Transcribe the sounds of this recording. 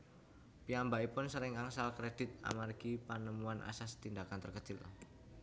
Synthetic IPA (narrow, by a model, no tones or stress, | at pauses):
piambaipʊnsəɾɪŋaŋsalkɾed̥ɪt̪̚a̰marɡ̥ipanəmuanʔa̰sast̪indakant̪ərkət͡ʃɪl